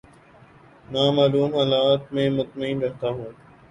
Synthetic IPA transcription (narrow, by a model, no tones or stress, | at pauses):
naːmaːluːmɦaːlaːt̪mẽːmʊt̪məĩːnɾɛɦt̪aːɦoː